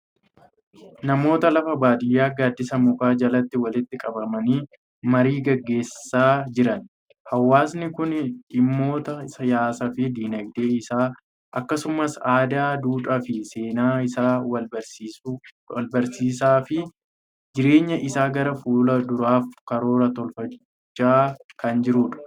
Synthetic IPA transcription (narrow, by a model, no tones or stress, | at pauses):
nɐmo̞ːt̪ɐlɐfɐbaːd̪ɪjːaːɡaːd̪ːɪsɐmʊkaːd͡ʒɐlɐt̪ːɪwɐlɪt̪ːɪkʼɐbɐmɐniː | mɐɾiːɡɐɡːe̞ːsɪ̥saːd͡ʒɪɾɐn | hɐwːaːs̬nɪkʊnᶑɪmːo̞ːt̪ɐsɐjaːsɐfɪd̪iːnɐɡd̪e̞ːɪsaː | ʔɐkːɐsʊmɐsaːd̪aːd̪uːᶑɐfɪse̞ːnaːɪsaːwb | lbɐɾsiːs̬aːfɪ | d͡ʒɪɾe̞ːɲːɐʔɪsaːɡɐɾɐfuːlɐd̪ʊɾaːfkɐɾo̞ːɾɐt̪ɔlfɐ | t͡ʃːaːkɐnd͡ʒɪɾuːᶑɐ̥